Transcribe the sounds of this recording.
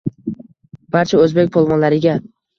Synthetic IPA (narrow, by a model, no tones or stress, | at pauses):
b̥aɾt͡ʃʰaɵzbek̚ʲpʰolˠmɒnlaɾɪɡʲa